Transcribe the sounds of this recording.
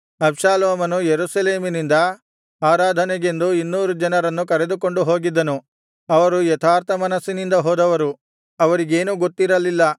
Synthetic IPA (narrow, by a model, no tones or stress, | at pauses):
ɐbʃaːloːmɐnujeɾusɐle̞ːminind̪ɐ | aːɾaːd̪ʱɐnɛɡe̞nd̪uinːuːɾud͡ʒɐnɐɾɐnːukɐɾed̪uko̞ɳɖuɦo̞ːɡid̪ːɐnu | ɐʋɐɾujɛt̪ʰaːɾt̪ʰɐmɐnɐsːinind̪ɐɦoːd̪ɐʋɐɾu | ɐʋɐɾiɡe̞ːnuɡot̪ːiɾɐlilːɐ